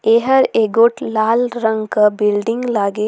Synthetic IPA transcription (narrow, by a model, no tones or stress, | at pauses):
eːɦəɾeːɡoːʈlaːlɾɐ̃ŋɡkabɪlɖɪ̃ŋɡlaːɡe